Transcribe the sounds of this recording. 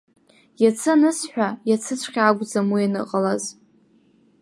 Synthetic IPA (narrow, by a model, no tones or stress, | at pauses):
jat͡sʰɨnɨsħʷᶣajat͡sʰɨt͡ɕʷʰχʲaɡʷʼd͡zamujanɨ̰qʼalaz